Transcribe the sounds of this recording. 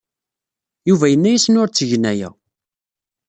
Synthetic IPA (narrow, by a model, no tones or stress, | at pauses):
juvæjənːæjisnʊɾt͡sːəʝnæjæ̰